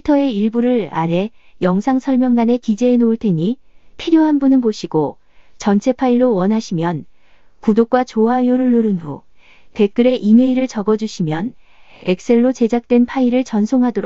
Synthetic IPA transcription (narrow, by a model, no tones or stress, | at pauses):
itʰʌe̞iɭbuɾɯɾa̰ɾe̞jʌŋsʰaŋsʰʌɭmjʌŋɡane̞kid͡ʑe̞ːnoɯɭtʰeɲipʰiɾjoɦanbunɯnpoɕʰiɡo | t͡ɕʌnt͡ɕʰe̞pʰaiɭːowʌnɦaɕʰimjʌn | kudok̚k͈wat͡ɕoɦajoɾɯɭːoɾɯnɦo̰ | pe̞k͈ɯɾe̞ʔime̞iɾɯɭt͡ɕʌɡʌd͡ʑuɕʰimjʌne̞k̚s͈e̞ɭːot͡ɕe̞d͡ʑak̚t͈we̞npʰaiɾɯɭt͡ɕʌnsʰoŋɦadoɾo